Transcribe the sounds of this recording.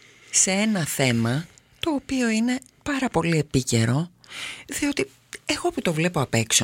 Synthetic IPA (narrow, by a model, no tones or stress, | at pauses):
see̞nɐθe̞mɐt̪o̞ːpio̞ine̞pɐɾɐpo̞lie̞pice̞ɾo̞ðio̞t̪i | eɣo̞put̪o̞vle̞poɐpe̞kso